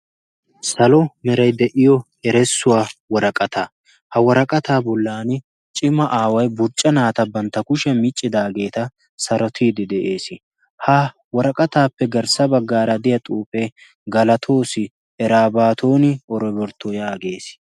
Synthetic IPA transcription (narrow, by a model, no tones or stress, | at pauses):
sɐlɔmɛɾɐjd̪ɛʔɪjɔ | ɛɾɛsːʊwaːwɔɾɐkʼɐt̪a | hɐwɔɾɐkʼɐt̪aːbɔlːaːnɪ | t͡ʃʼɪmːɐʔaːwɐjbʊɾt͡ʃʼːɐnaːt̪ɐbɐnt̪ːɐkʊʃɛmɪt͡ʃʼːɪd̪aːɡe̞ːt̪ɐ | sɐɾɔt̪ʰiːd̪ɪd̪ɛʔe̞ːsɪ | hɐ | wɔɾɐkʼɐt̪aːpːɛɡɐɾsɐbɐɡːaːɾɐd̪ɪjɐt̪ʼuːpʼe | ɡɐlɐt̪ʰo̞ːsɪ | ɛɾaːbaːt̪ʰo̞ːnɪɔɾɔbɔɾt̪ːojaːɡe̞ːs